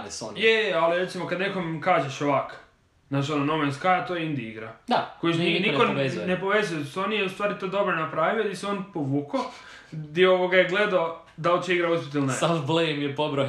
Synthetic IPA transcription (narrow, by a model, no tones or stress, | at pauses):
neso̰njealiɾet̪simo̞kad̪nekomkaːʒeʃoʋak | naːt͡ʃononomenskajat̪ojeind̪iiɡɾad̪akojiʃininkoezjnepoʋezujesonieust̪ʋaːɾit̪oːd̪o̞bɾonapɾaʋijod̪iseonpoʋuːko | d̪iooʋoɡajeɡled̪ao | d̪aolt͡ɕeiɡɾauspʲit̪̬ilnesablemjepobɾo